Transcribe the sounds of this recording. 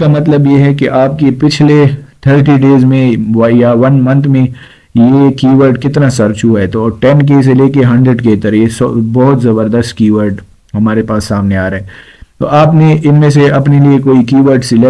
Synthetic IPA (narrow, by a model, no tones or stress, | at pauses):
kamɐt̪ləbjeɦɛkiʔaːp̚kepɪt͡ʃʰlet̪ʰəɾʈiɖeːzmẽjaʋɐnmɐ̃nt̪ʰmẽ | jekiːʋəɾɖkɪt̪nasɐɾt͡ʃuaɦɛt̪oːʈɛnk̬eːs̬eleːkeɦɐ̃ɳɖɾeɖket̪ɐɾjesɔ̰bɔːɦʊt̪zɐbəɾd̪əst̚kiːʋəɾɖ | ɦɐmaːɾepaːsːaːmneaːɾɐɦɛː | t̪o̰ːʔaːpneʔɪnmẽseɐpneliekoːikiːʋəɾɖsɪle